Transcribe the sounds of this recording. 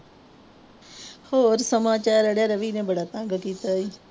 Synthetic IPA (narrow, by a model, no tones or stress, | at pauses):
hoːɾsəmaːt͡ʃaːɾəɽjaɾəʋiːnẽːbəɽaːt̪ãːŋɡəkiːt̪aːiː